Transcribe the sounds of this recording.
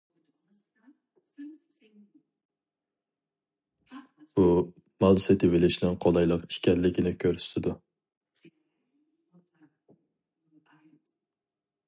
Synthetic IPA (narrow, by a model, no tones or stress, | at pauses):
bu | mɑlˠsɪt̪ʰɪvɪlɪʃinɪŋqʰolˠɑjlˠəqi̥ʃkʲɛɾlːɪkʲɪnɪkʲʰøɾst̪ʰɪd̪u